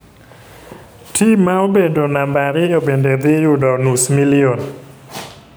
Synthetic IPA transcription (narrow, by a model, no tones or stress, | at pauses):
tʰimawbendonambaɾijobended̪ijudɔnusmilion